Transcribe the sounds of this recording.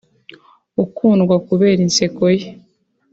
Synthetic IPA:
ukʰuːnɡwakuβe̞ːɾinse̞koje

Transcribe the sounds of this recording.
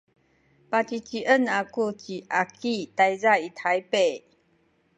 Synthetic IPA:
pat͡ɕit͡ɕiʔənakut͡ɕiʔakit̪ajzait̪ʰajpe

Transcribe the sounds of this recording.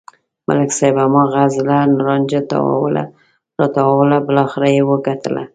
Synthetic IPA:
mʔa̰lɪksɑjbamɑɣazlanʊɾɑnd͡ʒat̪a̰wa̰wla̰ | ɾɑt̪awwlabəlɑxɪɾajewəɡat̪əla̰

